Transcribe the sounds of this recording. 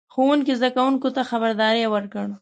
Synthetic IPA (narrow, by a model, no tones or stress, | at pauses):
xowuŋkizd̪akawuŋkot̪axabaɾd̪ɑɾejwəɾkəɽ